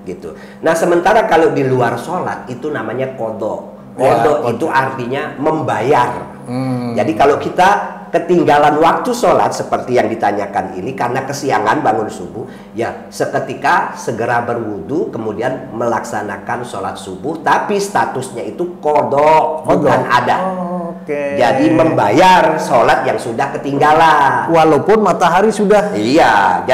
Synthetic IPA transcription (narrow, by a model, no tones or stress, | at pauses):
ɡit̪u | nahsəmənt̪aɾakalodiluarsola̰t̪̚it̪unamaɲakodɔ̰ʔ | kɔdɔʔit̪uʔart̪iɲaməmbajar | d͡ʒadikalokit̪a | kət̪iŋɡalanwak̚t̪usola̰t̪̚səpərt̪ijaŋdit̪aɲakanḭnikarnakəsiaŋanbaŋʊnsubʊh | ja | səkət̪ikasəɡəɾabərwudukəmudianməlaksana̰kansola̰t̪̚subʊht̪apist̪at̪ʊsɲait̪ukodɔʔodana̰daked͡ʒadiməmbajarsolat̪̚jaŋsudahkət̪iŋɡalanwalapʊnmat̪aɦaɾisudahija